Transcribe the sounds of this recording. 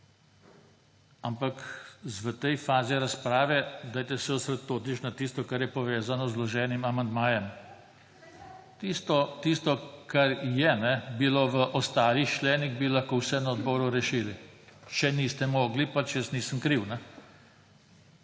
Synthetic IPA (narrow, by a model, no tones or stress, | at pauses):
ampakzʋət̪ɛjfaːziɾaspɾaːʋɛd̪aːjt̪ɛsɛɔsɾɛt̪ːoːt̪it͡ʃnat̪ist̪ɔkaɾjɛpɔʋeːzanɔzlɔʒɛːnimamand̪maːjɛm | t̪ist̪ɔt̪ist̪ɔkʰaɾjɛnɛbiloʋəʔɔst̪aːɾit͡ʃlɛːniɣbilaxkoːwsɛnaɔd̪bɔːɾuɾɛʃiːlit͡ʃɛniːst̪ɛmɔːɡlipat͡ʃjəsniːsəmkɾiwna